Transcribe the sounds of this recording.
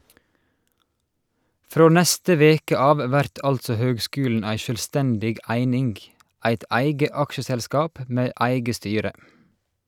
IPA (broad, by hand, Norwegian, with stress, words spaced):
ˈfɾoː ˈnæstə ˈʋeːkə ˈɑːʋ ˈʋæɾt ˈɑltsɔ ˈhøːɡˌskʉːln̩ ˈæɪ ˌʃøːlˈstɛndɪɡ ˈæɪnɪŋɡ ˈʔæɪt ˈæɪɡə ˈɑkʃəsɛlˌskɑːp ˈmeː ˈæɪɡə ˈstyːɾə